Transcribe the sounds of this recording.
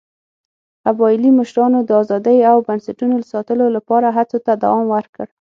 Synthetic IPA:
abɑɪliməʃɾɑnod̪əɑzɑd̪əjawbansaʈunoləsɑt̪əlolapɑɾaɦat͡sot̪ad̪a̰wɑmwəɾkəɽ

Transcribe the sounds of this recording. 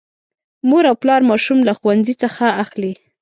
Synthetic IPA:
moɾawplɑɾmɑʃumlaxuwanzit͡səxaːxli

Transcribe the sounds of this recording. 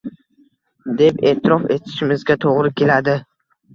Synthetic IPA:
d̪e̞pe̞̰ːt̪ʰɪɾɒfe̞̰t̪ʰɪ̥ʃɪmɪzɡʲat̪ʰoʁɾɪkʲʰe̞lad̪ɪ

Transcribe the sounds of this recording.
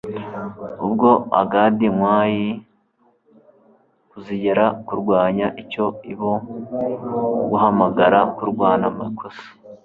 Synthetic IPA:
ubɡo̞a̰ɡaːdiŋwaːji | kuziɟeɾakuɾɡwaːɲaʔico̞iβo | ɡuɦamaɡaɾakuɾɡwaːnamakʰosi̥

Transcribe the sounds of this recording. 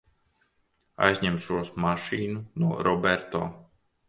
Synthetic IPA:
a̰jzʲɲɛmʃuɔsmaʃiːnunuɔɾɔbɛɾt̪o̰ː

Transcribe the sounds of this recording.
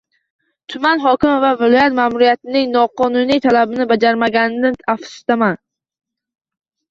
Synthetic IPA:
t̪ʰʊmanɦɒkʲɪmɪvavɪlɒjat̪mamʊɾijat̪ɪnɪŋnɒqɒnʊnijt̪ʰalabɪnɪbad͡ʒaɾmaɡʲand̪ɪnafsɪ̥st̪aman

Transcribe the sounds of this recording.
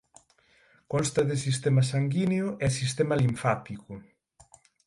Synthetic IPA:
kɔnst̪ɐðɪsist̪ɛmɐsaŋɡineʊʔɛsist̪ɛmaliɱfat̪ikʊ

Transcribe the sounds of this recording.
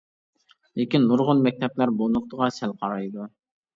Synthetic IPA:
lɪkʲinːuɾʁʊnmɛk̚ʲt̪ʰɛplæɾbolˠnʊq̚t̪ʰəʁɑsælqʰɑɾɑjd̪u

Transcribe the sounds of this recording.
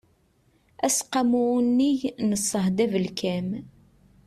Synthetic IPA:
æsqɑmunːiʝnəsˤːəhd̪ævəlkæm

